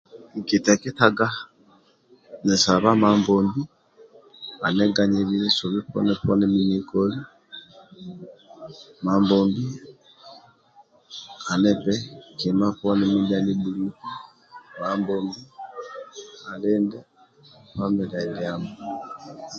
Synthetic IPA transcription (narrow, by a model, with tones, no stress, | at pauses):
ŋki˨tɛ˨ki˦taɡa˦ | nɛ˨sa˨βa˦maːmbɔmbi | a˨nɛ˦ɡa˨ɲe˨βilɛ˦so˨βi˦pɔ̰˦nɛpɔ˦nɛmiɲikɔli˦ | ma˨mbɔmbi˦ | a˨nɛpɛki˨ma˦pɔ˦nɛ˦mi˦lani˦bu˨ɾuku˦ | mambɔmbi˦ | a˨leːndɛ | pa˦mi˨ɾa˨ljamo˨